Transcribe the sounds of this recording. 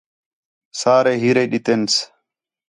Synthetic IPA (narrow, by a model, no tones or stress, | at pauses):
saːɾɛɦɪɾɛɗɪt̪ʼɛns